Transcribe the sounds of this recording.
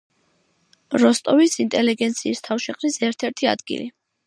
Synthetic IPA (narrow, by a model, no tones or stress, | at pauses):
ɾɔst̪ʼɔvisint̪ʼɛliɡɛnt̪sʰiːst̪ʰafʃɛχʼɾisɛɾt̪ʰɛɾt̪ʰia̰d̪ɡḭli